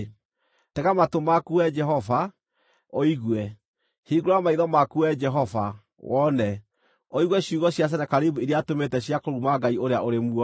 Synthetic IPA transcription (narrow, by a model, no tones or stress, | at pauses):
tɛɣamatomakuɛd͡ʒɛɦɔva | oiɣwɛ | hiːɡoɾoamaiðɔmakuɛd͡ʒɛɦɔva | wɔnɛ | oiɣwɛɕuɣɔɕjas̬ɛnɛkaɾibuiɾeatometɛɕjakoɾumaɡaioɾeaʔoɾemuɔ